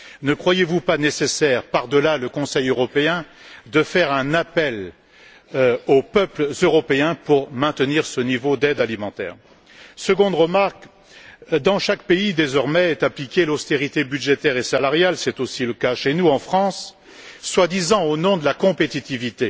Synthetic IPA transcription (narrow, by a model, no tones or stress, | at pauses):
nəkχwajevupanesesɛʁpaʁd̪əlaləkɔ̃sɛjøʁɔpeɛ̃d̪əfɛʁɛ̃napɛl | opœplzøʁɔpeɛ̃puʁmɛ̃t̪əniʁsənivod̪ɛd̪alimɑ̃t̪ɛ̰ːʁ | səɡɔ̃d̪ʁəmaʁk | d̪ɑ̃ʃakpeid̪ezɔʁmɛːt̪aplikʲelɔst̪eʁit̪ebyd̪ʒet̪ɛʁesalaʁjalsɛt̪osiləkaʃenuɑ̃fχɑ̃sː | wad̪izɑ̃onɔ̃d̪əlakɔ̃pet̪it̪ivit̪e